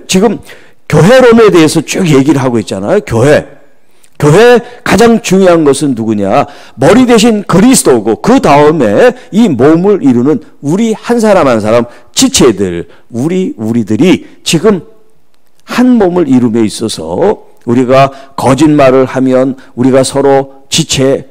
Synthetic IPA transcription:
t͡ɕiɡɯm | kjoɦe̞ɾome̞de̞ɦesʰʌt͡ɕokje̞ɡiɾɯɭɦaɡoit̚t͡ɕ͈ana̰jokjoɦe̞ | kjoɦe̞kad͡ʑaŋt͡ɕuŋjoɦanɡʌsʰɯnːuɡuɲa̰ | mʌɾidweɕ̬ʰinkɯɾisʰɯdoɡokɯdaɯme̞imomɯɾiɾunɯn | uɾihans̬ʰaɾamɦansʰaɾam | t͡ɕit͡ɕʰe̞dɯ̰ɭ | uɾiuɾidɯɾi | t͡ɕiɡɯm | hanmomɯɾiɾɯmjeis͈ʌsʰʌ̰ | uɾiɡakʌd͡ʑinmaɾɯɭhamjʌn | uɾiɡasʰʌɾo | t͡ɕit͡ɕʰe̞

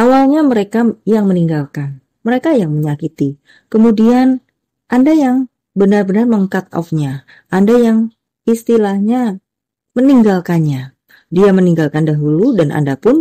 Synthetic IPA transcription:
ʔawalɲaməɾekajaŋməniŋɡalkan | məɾekajaŋməɲakit̪i | kəmudian | ʔandajaŋ | bənarbənarməŋkat̪̚ɔ̰fɲa | ʔandajaŋ | ist̪ilahɲa | məniŋɡalkanɲa | diaməniŋɡalkandaɦuludanʔa̰ndapʊn

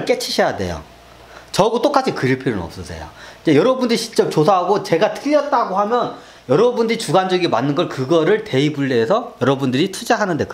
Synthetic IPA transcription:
ɭk͈e̞t͡ɕʰiɕʰʌjade̞̰jo̰ | t͡ɕʌɡot͈ok͈at͡ɕʰikɯɾipʰiɾɯnʌ̰p̚s͈ʌsʰḛjo̰id͡ʑejʌɾʌbundɯɾiɕʰi̥t͡ɕ͈ʌp̚t͡ɕosʰaɦaɡot͡ɕe̞ɡatʰɯʎːʌt̚t͈aɡohamjʌn | jʌɾʌbundɯɾit͡ɕuɡand͡ʑʌɡimanːɯnɡʌɭkɯɡʌɾɯɭte̞ibuɭːeːsʰʌjʌɾʌbundɯɾitʰud͡ʑaɦanɯnde̞k

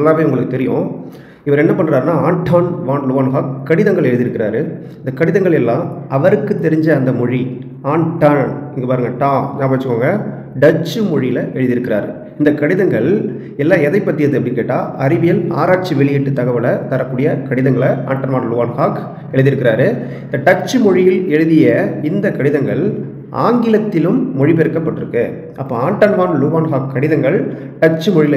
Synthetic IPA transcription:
ɐlːaːʋeːʊŋɡɐɭɯkːɯt̪ɛɾɪjõ̰ | ɪʋɐɾɛnːɐpɐɳːɾaːɾnaːaːɳʈʰaːnʋaːnlʊʋaːnɦaːkkːɐɽɪðɐŋɡɐɭɛɻɯðɪɾɯkːɪɾaːɾɯ | ɪnd̪ɐkːɐɽɪðɐŋɡɐɭɛlːãːɐʋɐɾɯkːɯt̪ːɛɾɪɲd͡ʒɐːnd̪ɐmɔɻi | aːɳʈaːɳɪŋɡɐpaːɾɯŋɡɐʈãːnãːpɐaːt͡ʃːɯkːaːŋɡɐ | ɖɐt͡ʃːɯmɔɻɪjɪlɐʔɛɻɯðɪɾɯkːɪɾa̰ːɾɯ | ɪnd̪ɐkɐɽɪðɐŋɡɐɭ | ɛlːaːɛðɐɪpːɐʈ̪ːɪjɐðɯɐpːɐɽɪkːeːʈːaːɐɾɪʋɪjɐla̰ːɾaːʈ̚t͡ʃiʋɛɭɪjɪʈːɯt̪ːɐɣɐʋɯlɐt̪ɐɾɐkːuːɽɪjɐkɐɽɪðɐŋɡɐɭɐa̰ːɳʈɐnʋaːnlʊʋaːnhaːk | ɛɻɯðɪɾɯkːɪɾaːɾɯɪnd̪ɐʈɐt͡ʃːɯmɔɻɪjɪlɛɻɯðɪjɐɪnd̪ɐkɐɽɪðɐŋɡɐɭ | a̰ːŋɡɪlɐt̪ːɪlɯmːɔɻɪpɛɾɯkːɐpːɐʈːɯɾɯkːɯ | ʔɐpːoaːɳʈɐnʋaːnlʊʋaːnɦaːkkːɐɽɪðɐŋɡɐɭ | ɖɐt͡ʃːɯmɔɻɪl

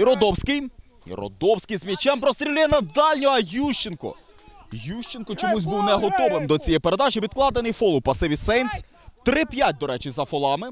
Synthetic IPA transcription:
iɾɔd̪ɔwsʲkɪj | ḭɾɔ̰d̪ɔwsʲkɪjzmʲit͡ʃɛmpɾɔst̪ɾʲilʲɪjɛnɐd̪ɑlʲnʲɔɐjuʃt͡ʃɪnkɔ̰ | juʃt͡ʃɪnkɔt͡ʃɔmuzʲbuwnɛɦɔt̪ɔʋɪmd̪ɔt͡sʲijɛpeɾed̪ɑʒɪʋʲid̪̚klˠɑd̪enɪjfɔlˠʊpɐsɪʋʲisɛnsʲ | t̪ɾɪpʲjat̚ʲd̪ɔɾɛt͡ʃɪzɐfɔlˠɑmɪ

